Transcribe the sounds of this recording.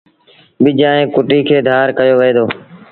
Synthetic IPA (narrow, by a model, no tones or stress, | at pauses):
ɓɪd͡ʒãːɦẽːkʊʈiːkʰeːd̪ʱaːɾkəjoːʋəeːd̪oː